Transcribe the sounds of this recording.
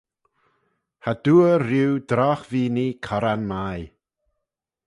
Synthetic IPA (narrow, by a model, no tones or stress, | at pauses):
had̪̥uːəɾuwd̪ɾɔxviːnikʰɔɾanmaj